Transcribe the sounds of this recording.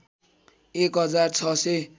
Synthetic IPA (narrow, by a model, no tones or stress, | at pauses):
ekɦʌd͡zart͡sʰʌse